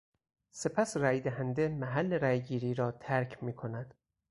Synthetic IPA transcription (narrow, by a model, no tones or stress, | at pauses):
se̞pʰæsræːjd̪æɦænd̪e̞mæɦælːe̞ɾæjɡiːɾiːɾɒːt̪ʰæɾcʰmiːkʰo̞næd̪̥